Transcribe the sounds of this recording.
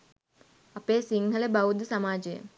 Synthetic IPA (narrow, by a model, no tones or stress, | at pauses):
ɐpeːsiŋhələbawud̪usamaːd͡ʒəjə̰